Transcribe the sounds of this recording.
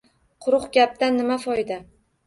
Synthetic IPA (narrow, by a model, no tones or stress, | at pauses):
qʰʊɾʊχɡʲap̚t̪anːɪmafɒjd̪a